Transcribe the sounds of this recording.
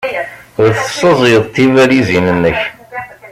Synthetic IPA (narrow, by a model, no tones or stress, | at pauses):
ʊɾθəsˤəzˤjðˤt̪ːivæɾizinənːəç